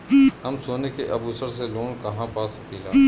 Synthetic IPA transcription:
hɐmsoːnekeʔɐbuːsəɾseloːnkɐɦãpaːsɐkiːla

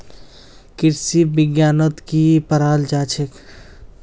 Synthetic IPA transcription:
kɪɾsibɪɡjaːnət̪kipəɾaːld͡ʒaːt͡ʃʰək

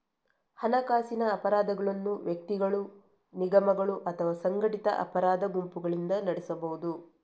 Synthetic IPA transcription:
hɐnɐkaːsinɐːpɐɾaːd̪ɐɡɐɭɐnːuʋjɐk̚t̪iɡɐɭu | niɡɐmɐɡɐɭuʔɐt̪ʰɐʋaːsɐŋɡɐʈit̪ɐ̰ʔɐ̰pɐɾaːd̪ɐɡumpuɡɐɭind̪ɐnɐɽɛsɐbɐɦud̪u

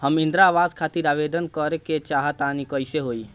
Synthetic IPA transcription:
həmɪ̃nd̪ɾaʋaːzkʰat̪iɾaʋed̪ənkəɾeket͡ʃaːɦət̪anikəɪseɦoi

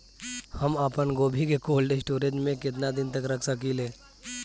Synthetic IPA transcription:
həmapənɡoːbʱikekoːlɖesʈoːɾẽd͡ʒmẽkɪt̪̬nad̪ɪnt̪əkɾɐkʰsəkileː

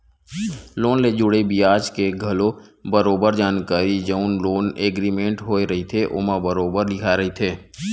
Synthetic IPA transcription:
loːnled͡ʒʊɽebijaːd͡ʒkeɡʱɐlobəɾoːbəɾd͡ʒaːnkaːɾid͡ʒəʊnloːneːɡɾimẽːɳʈɦoːeɾəɦit̪ʰeʔʊ̰mãbəɾoːbəɾlɪkʰaeɾɐɦit̪ʰeː

